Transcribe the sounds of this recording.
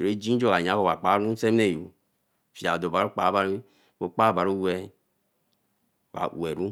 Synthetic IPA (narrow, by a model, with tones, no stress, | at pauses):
o˨e˦d͡ʒi˦d͡ʒo˦˨ka˨ɲ˨a˨˦ko˦˨ba˨k͡pa˨˦ɾu˦se˦m˦ne˦˨ṵ˨ | fi˨a̰˨do˨ba˨ɾo˦k͡pa˨˦ba˦ɾ | bo˨k͡pa˦ba˨ɾu˦wɛ˦˨ | wa̰˨we˨ɾu˦